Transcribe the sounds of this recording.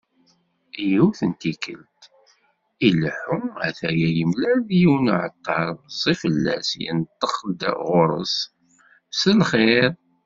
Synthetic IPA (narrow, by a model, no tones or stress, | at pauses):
juθənt̪ikəlt̪ | iləħʊæ̰θæjæjəmlæðjiwnəʕət̪ʰːɑɾˤzˤifəlːæ̰sjə̰nt̪ˤːəχd̪ə̰ʁʊɾˤə̰s | səlχeɾ